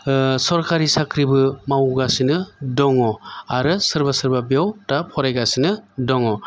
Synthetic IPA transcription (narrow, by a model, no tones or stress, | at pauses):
sɔɾkaɾisakʰɾibɯmawɡasinɯdɔŋɔaɾɯsɯɾbasɯɾbabijawtapʰɔɾajɡasinɯdɔŋɔ